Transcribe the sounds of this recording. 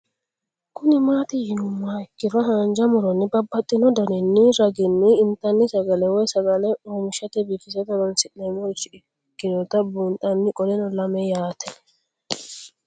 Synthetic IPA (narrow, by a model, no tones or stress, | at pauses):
kʊnɪmaːt̪ɪjɪnʊmːaɪkːɪɾɔhaːnd͡ʒɐmʊɾɔnːɪbɐbːɐt̪ʼːɪnɔd̪ɐnɪnːɪɾɐɡɪnːɪːmt̪ɐnːɪsɐɡɐlɛwɔjsɐɡɐlɛuːmɪʃɐt̪ɛbiːkɪsɛd̪ɐɾɔnsɪʔɛmɔt͡ʃːɪɪ | kːɪnɔt̪ɐbuːnt̪ʼɐnːɪkʼɔlɛnɔlɐmɛjaːt̪ɛ